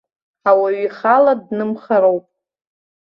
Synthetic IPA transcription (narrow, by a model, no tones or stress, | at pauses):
awaɥiχaladnɨmχaɾowpʼ